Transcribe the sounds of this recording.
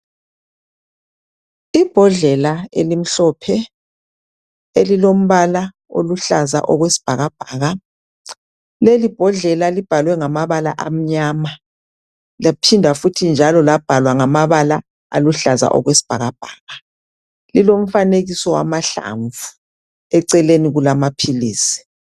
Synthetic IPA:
ib̥ʱɔɮɛlaelim̩ɬɔpʰɛ | elilom̩βala | o̰luɬaza̰ʔɔɣwesi̥b̥ʱaɣab̥ʱaːɣa | lelib̥ʱɔɮɛlalib̥ʱalwɛŋamaβala̰ʔam̩ɲaːma | lapʰindʱafutʰind͡ʒʱalɔlab̥ʱalwaŋamaβala | a̰luɬaza̰ʔɔ̰ɣwesi̥b̥ʱaɣab̥ʱaːɣa | lilom̩faneɣisɔwa̰maɬa̰ɱvu | ɛǀɛleniɣulamapʰiliːsi̥

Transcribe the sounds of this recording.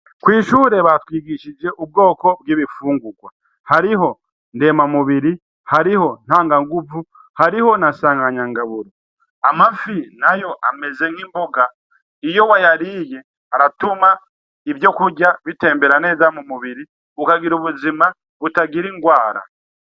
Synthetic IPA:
kwiːʃuːɾe̞βatwiːɡiʃid͡ʒe̞ʔub̚ɡo̞ːko̞bɡiːβifuːŋɡuɡwa | haɾiɦo̞ | nde̞mamuβiɾi | haɾiho̞n̥haːŋɡaŋɡuvu | haɾiho̞nasaːŋɡaɲaŋɡaβuɾo | amafinajo̞ʔa̰me̞ze̞ŋ̥himbo̞ɡa | ijo̞wajaɾije̞ | aɾatuma | ivjo̞kuɟaβite̞ːmbe̞ɾane̞ːzamumuβiɾi | ukaɡiɾuβuzima | βutaɡiɾiŋɡwaːɾa̰

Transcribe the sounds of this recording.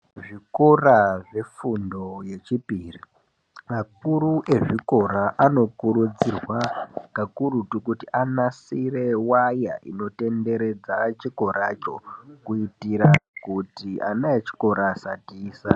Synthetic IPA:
ʐikoraʐe̞fundo̞je̞t͡ʃipiri | makuɾuʔe̞ʐiko̞ɾaʔano̞kuɾud͡zirwakakuɾutukutiʔanasire̞waja̰ʔḭno̞te̞nde̞ɾe̞d͡zat͡ʃiko̞ɾat͡ʃo̞̰kuitiɾakutiʔa̰najet͡ʃi̥ko̞ɾasatiːsa

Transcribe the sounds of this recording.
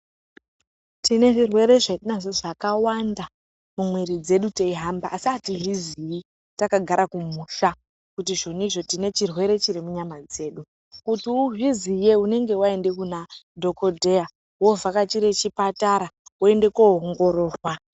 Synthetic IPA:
tine̞ʐirwe̞ɾe̞ʐenaʐoʐakawanda | mumwiɾid͡ze̞ɗuteiɦambaʔːsiativizii | takaɡʱaɾʔakumuːʃa | kutiʐo̞nuiʐo̞tine̞t͡ʃirwe̞ɾe̞t͡ʃirimuɲamad͡ze̞ːɗu | kutiuvizije̞une̞ŋɡe̞wae̞nde̞kunadʱo̞ko̞dʱe̞ja | wo̞vʱakat͡ʃiɾe̞t͡ʃipataɾaue̞nde̞koɦoŋɡo̞ro̞ːrwa

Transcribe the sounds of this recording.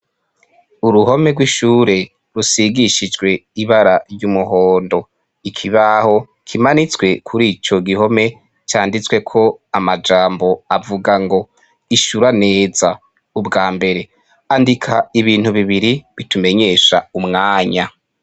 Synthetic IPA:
uɾuɦo̞me̞ɡwiʃuːɾe̞ | ɾusiɡiʃid͡ʒɡwe̞iβaɾaɾjumuɦo̞ːndo̞ | ikʰiβaho̞ | kʰimanit͡swe̞kʰuɾiːt͡ʃo̞ɡiho̞me̞ | t͡ʃaːndit͡swe̞kʰo̞amad͡ʒaːmbo̞avuɡaŋɡo̞ | iʃuɾane̞ːza | ubɡaːmbe̞ɾe̞ | andikʰaiβiːn̥huβiβiɾiβitume̞ɲe̞ːʃaumŋaːɲa

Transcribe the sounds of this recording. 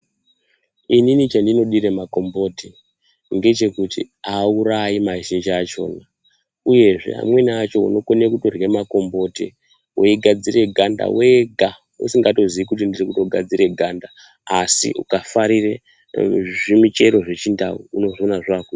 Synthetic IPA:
ininit͡ʃandino̞ɗiɾemako̞mbo̞ːte | ŋɡe̞t͡ʃe̞kutḭ | auɾaimaʒind͡ʒiat͡ʃo̞̰ːna | uje̞ʐe̞̰a̰mwe̞niat͡ʃo̞ṵno̞konekutorɣemako̞mbo̞ːtḛ | woiɡʱad͡zire̞ɡʱanda̰weɡʱa | ṵsiŋɡato̞ziikut̬indirikuto̞ɡʱad͡ziɾe̞ɡʱandaː | sḭṵkafaɾire | ʐimit͡ʃe̞ɾo̞ʐe̞t͡ʃinda̰uuno̞ʐonaʐakui

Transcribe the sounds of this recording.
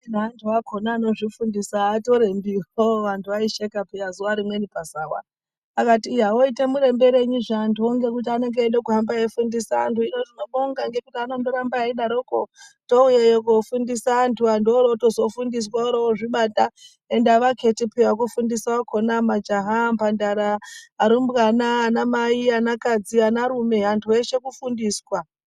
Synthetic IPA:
inantʰuakʰonaːno̞ʐifundisaːto̞ɾe̞mbioʋantʰuʋaiʃekapijazuʋaɾimwe̞nipasawa̰ | akatiːaoite̞muɾe̞mbe̞ɾe̞ɲuʐantuoŋɡe̞kut̬iane̞ŋɡeːɗekurambaefundisaa̰ntuino̞tinoɓoŋɡaŋɡe̞kutianondoɾambaiɗaɾokoto̞ujejokofundisaːntʰuandoɾooto̞zo̞fundis̬waoɾooʐiɓata | endaʋakʰe̞tipiwak̬ufundisakonamad͡ʒaɦampandaɾaːɾimbɣanaːnamaianakad͡zianaɾume̞ɦantʰue̞ʃe̞kufundiːswa

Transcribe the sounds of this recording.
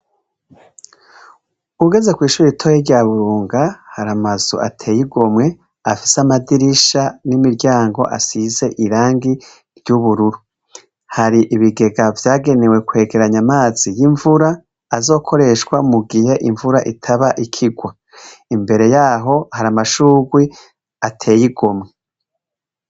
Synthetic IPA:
uɡe̞ze̞kwiːʃuːɾitʰojeɾɟaːβuɾuːŋɡahaɾamazuʔa̰tʰe̞ːjiɡomŋe̞ | afi̥samadiɾiʃanimiɾɟaːŋɡo̞̰ʔa̰size̞ʔiɾaːŋɡi | ɾɟuβuɾuɾu | haɾiʔiβiɡe̞ɡavjaːɡe̞ne̞we̞kwe̞ːɡe̞ɾaɲamaːz̥ijiɱvuɾaː | zo̞ːkʰo̞ɾe̞ʃwamuɡihe̞ʔiɱvuɾaʔitʰaβaʔikʰiɡwa | imbe̞ɾe̞jaːɦo̞haɾamaʃuːɡwi | atʰe̞ːjiɡo̞mŋe̞

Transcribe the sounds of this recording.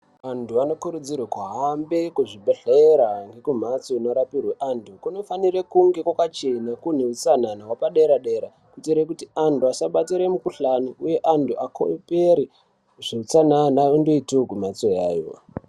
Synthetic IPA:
ʋantʰuanokuɾud͡zirwekuɦaːmbekuʐibʱeɬeɾaŋɡe̞kum̤at͡soino̞ɾapirweʔantʰukuno̞fanirekuŋɡe̞kwakat͡ʃenakun̤eut͡san̤anawapaɗeɾaɗe̞ɾa | kutiɾek̬utiantʰuasaɓatiɾemukuɬanuuje̞ʔantʰuʔakʰo̰peɾi | ʐ̥iut͡sananaundo̞itokumat͡soja̰ːjo̰

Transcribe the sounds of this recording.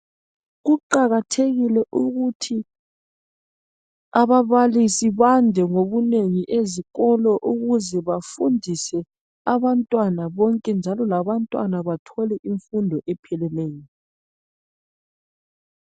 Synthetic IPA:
ɣuǃaɣatʰeɣilɛʔuɣutʰi | aβaβalisiβandʱɛŋoβuneŋiʔeziɣɔlɔʔuɣuzɛβafundʱisɛ | aβantʼwanaβɔŋkʼɛnd͡ʒʱalɔlaβantʼwa̰naβatʰɔlɛʔiɱfundʱɔʔɛpʰɛlɛleːjɔ

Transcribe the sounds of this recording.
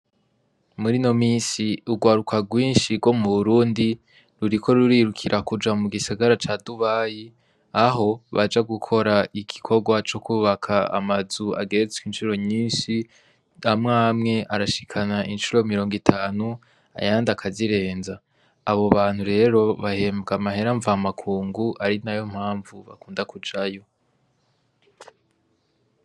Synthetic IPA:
muɾino̞miːnsiuɡwaːɾukʰaɡwiːnʃiɡwo̞muβuɾuːndi | ɾuɾikʰo̞ɾuɾiːɾukʰiɾʔakud͡ʒamuɡisaɡaɾat͡ʃaːduβaːji | aɦo̞βad͡ʒaɡukʰo̞ɾaʔiɡ̥ikʰo̞ɡwat͡ʃo̞kuβakʰaa̰mazua̰ɡe̞ɾet͡swinʃuɾo̞ɲiːnʃi | amŋaːmŋe̞ʔaɾaʃi̥kʰanaʔinʃuɾo̞miɾo̞ːŋɡitʰaːnu | a̰jaːndakʰaziɾe̞ːnzaː | βo̞βaːn̥huɾe̞ːɾo̞βahe̞mɡamaɦe̞ɾaɱvːmakʰuːŋɡuʔaɾinajo̞m̥haːɱvuβa̰kuːndakud͡ʒajo̞

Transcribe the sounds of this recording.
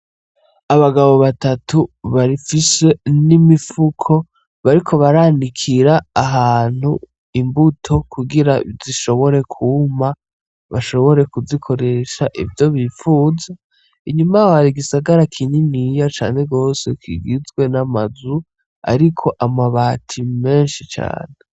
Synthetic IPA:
aβaɡaβo̞βatatuβaɾifise̞nimifukʰo̞ | βaɾikʰo̞βaɾaːndikʰiɾaːɦaːn̥hu | imbutʰo̞kuɡiɾaiziʃo̞βo̞ɾe̞kʰuma | βaʃo̞βo̞ɾe̞kuzikʰo̞ɾe̞ʃaʔḭvjo̞βifuːza | iɲumahaɾiɡisaɡaɾakʰiɲinijat͡ʃa̰ːne̞ɡo̞ːsekḭɡizɡwe̞namazu | a̰ɾikʰo̞ʔamaβaːtʰime̞ːnʃit͡ʃa̰ːne

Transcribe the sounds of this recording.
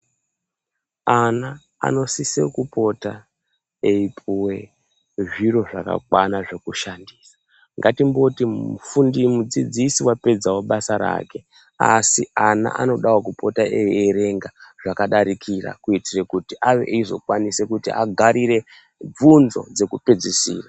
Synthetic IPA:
ana̰ː | no̞sisekupo̞ta | eipʰuwe̞ | ʐiɾo̞ʐaka̰kwanaʐe̞kuʃandiːsḁ | ŋɡatimbo̞tifundimud͡zid͡zisiwape̞d͡zawo̞ɓasaɾa̰ːke̞ | a̰siana̰ʔano̞ɗawok̬upo̞taʔeeɾe̞ŋɡaʐakaɗaɾikʰira̰kuitire̞kutiʔaʋḛʔizo̞̰kwanise̞kutia̰ɡʱaɾire̞ | b͡vunzo̞̰d͡ze̞kupe̞d͡zisḭːra

